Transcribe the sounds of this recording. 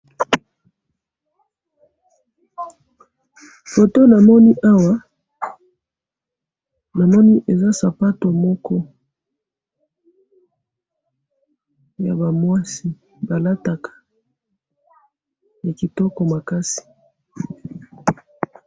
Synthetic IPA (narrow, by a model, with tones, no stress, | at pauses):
fo˨to˦na˨mɔ˦ni˦ʔa˦wa˦ | na˨mɔ˦ni˦ʔe˨za˦sa˨pa˦to˨mɔ˦kɔ˦ | ja˨ba˨mwa˦si˨ | ba˨la˦ta˨kʰḁ˨ | ja˨ki˨tɔ˦kɔ˨ma˨ka˦si̥˨